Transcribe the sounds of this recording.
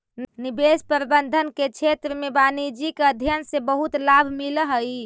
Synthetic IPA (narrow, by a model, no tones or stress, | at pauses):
nibespəɾbənd̪ʱənket͡ʃʰet̪ɾəmebanid͡ʒikəd̪ʱjənsebəɦut̪labʱmiləɦə